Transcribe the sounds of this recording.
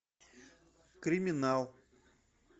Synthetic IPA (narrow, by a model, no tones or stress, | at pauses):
kɾʲɪmʲɪnalˠ